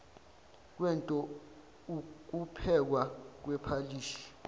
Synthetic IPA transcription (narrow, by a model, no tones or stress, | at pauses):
k̬wɛntʼɔ | k̬upʰɛk̬wak̬wɛpʰaliːʃi̥